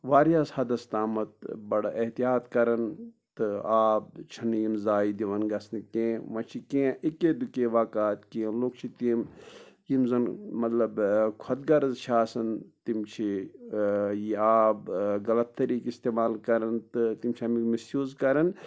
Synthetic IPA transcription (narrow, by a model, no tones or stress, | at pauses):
ʋaːɾijaːshɐd̪ɐst̪aːmɐt̪̚bɐɽʔeht̪ijaːt̪kɐɾɐn | t̪ɨaːb̚t͡ʃʰɐnijinzaːid̪iʋɐnɡɐsnikẽːʋɐ̃t͡ʃʰikẽːʔikeːd̪ukeːʋaːkaːt̪kẽːloːk̚t͡ʃʰit̪imjimzɐnmɐt̪lɐbkʰɐt̪̚ɡɐɾɐzt͡ʃʰaːsɐnt̪imt͡ʃʰi | jiaːbɡɐlɐt̪ːɐɾiːkist̪eːmaːlkɐɾɐnt̪ɨt̪imt͡ʃʰiɐmikmisjuːzkɐɾɐn